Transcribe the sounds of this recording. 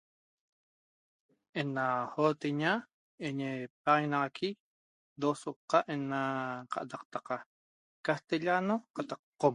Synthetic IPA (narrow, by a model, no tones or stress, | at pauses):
enahot̪eɲa | eɲep̚aʁenɑʁɑkʰi | d̪osoqːɑʔenaqɑ̰ʔt̪ɑq̚t̪ɑqɑ | kaht̪eʎanoqɑt̪ɑqqːom